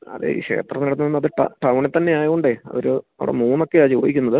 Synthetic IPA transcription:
ɐ̰ðɨ̰ḭːɕe̞̰ːt̪rɐmniɽɐt̪ːɨenːɐðɨʈɐ̰ʈɐwɳet̪ːɐnːe̞aːjɐuɳɖeɐ̰ʋɐɾɨɐ̰ʋḭɽḛmuːno̞kːe̞aːt͡ɕiʋoːjikʲːunːɐðɨ

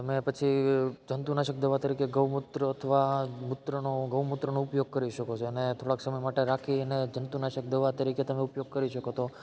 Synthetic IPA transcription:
t̪əmepət͡ʃʰid͡ʒənt̪unaʃək̚d̪əʋat̪əɾikeɡəʋmut̪ɾəət̪ʰəʋamʊt̪ɾənoɡəʋmut̪ːɾənoupjoɡ̚kəɾiʃəkot͡ʃʰoənet̪ʰoɽaksəməjmaʈeɾakʰiəned͡ʒənt̪unaʃək̚d̪əʋat̪əɾiket̪əmeupjoɡ̚kəɾiʃəkot̪ʰo

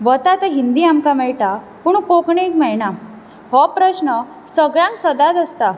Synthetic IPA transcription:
ʋət̪at̪əɦind̪iamkamɛɭʈa | puɳkokɳekmɛɭɳa | hɔpɾəɕnə | səɡɭãŋksəd̪ad̪əst̪a

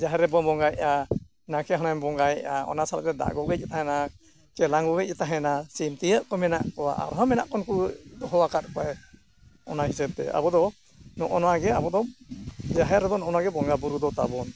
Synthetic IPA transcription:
d͡ʒaɦɛɾɛbɔbɔŋɡajʔa | nakɛɦənambɔŋɡajʔaɔ̰nasalt̪ɛd̪a̰ʔɡɔɡɛc̚ˀɛt̪aɦɛna | kɛlaŋɡɔɡɛc̚ˀɛt̪aɦɛnasimt̪ijəʔkɔmɛna̰ʔkɔwa̰ʔa̰ɾɦəmɛnaʔkɔnkud̪ɔɦɔwakat̪̚kɔaj | ɔnaɦisɛb̚t̪ɛ̰a̰bɔd̪ɔ | nɔʔɔnɔaɡɛabɔd̪ɔd͡ʒaɦɛɾɛbɔnɔʔɔnaɡɛbɔŋɡabuɾud̪ɔt̪abɔn

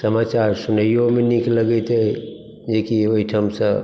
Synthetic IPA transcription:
səmaːt͡ʃaɾsʊnəjomẽnikləɡet̪e | d͡ʒekioiʈʰəmsə̃

